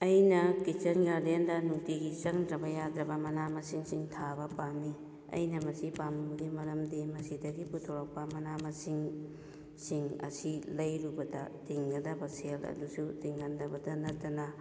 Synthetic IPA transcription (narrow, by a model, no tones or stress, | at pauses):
ɐjnɐkit͡ʃɐnɡaɾdendɐnuktiɡit͡ʃɐŋdɾɐbɐjadɾɐbɐmɐnamɐsiŋsiŋtʰabɐpanːi | ɐ̰jnɐmɐsipamuɡimɐɾɐmdimɐsidɐɡiputʰoɾok̚pɐmɐnamɐsiŋ | siŋɐ̰silɐjɾubɐdɐ̰tiŋɡɐdɐbɐselɐ̰dusutiŋhɐndɐbɐdɐnɐtːɐnɐ